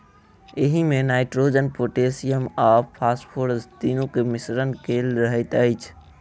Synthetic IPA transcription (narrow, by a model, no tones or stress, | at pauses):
ɪɦimẽnaːɪʈɾoːd͡ʒənpoːʈeːsijəmaːpʰːaːspʰoːɾzt̪iːnõkemɪsɾənkeːlɾəɦɪt̪əɪt͡ʃʰ